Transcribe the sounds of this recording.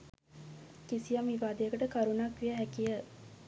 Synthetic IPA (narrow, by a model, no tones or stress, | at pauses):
kisijɐmiʋaːd̪eɐkɐʈəkɐɾunakʋiɐɦækiɐ